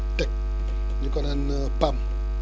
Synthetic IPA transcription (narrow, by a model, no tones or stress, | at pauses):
tɛk̚ | d͡ʒikɔnanə | pam